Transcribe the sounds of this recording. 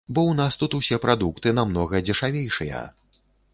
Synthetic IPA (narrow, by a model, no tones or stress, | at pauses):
bɔwnast̪ut̪usʲɛpɾad̪ukt̪ɨnamnɔɣɐd͡zʲɛʂavʲejʂɨjɐ̰